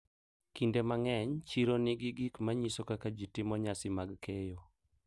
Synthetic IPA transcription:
kindemaŋɛɲt͡ʃiɾonɪɡɪɡikmaɲisokakad͡ʒitɪmɔɲasɪmaɡkʰejo

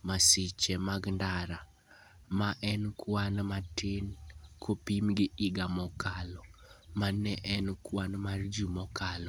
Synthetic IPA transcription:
masɪt͡ʃɛmaɡndaɾa | maʔɛnkwanmatɪnkʰopimɡɪɪɡamɔkalɔmanɛʔɛnkwanmard͡ʒumɔkalɔ

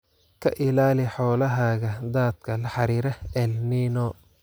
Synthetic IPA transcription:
kʰɐʔɪlaːlɪħɔːlɐɦaːɣɐd̪aːd̪kʰɐlɐħɑɾiːɾɐɛlniːnɔː

